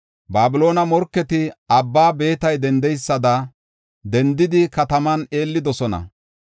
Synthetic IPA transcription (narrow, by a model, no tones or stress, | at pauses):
baːbɪlo̞ːnɐmɔɾkːɛt̪ɪɐbːaːbe̞ːt̪ɐjd̪ɛnd̪ɛjsːɐd̪ɐ | d̪ɛnd̪ɪd̪ɪkɐt̪ɐmɐne̞ːlːɪd̪ɔsɔnɐ̰